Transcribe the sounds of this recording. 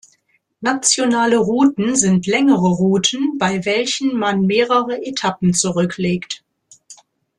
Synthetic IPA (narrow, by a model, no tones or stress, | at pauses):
nat͡sjonaːləʁuːtn̩zɪntʰlɛŋəʁəʁuːtʰn̩baɪvɛlçn̩manmeːʁəʁəʔetʰapn̩t͡suʁʏkʰleːkt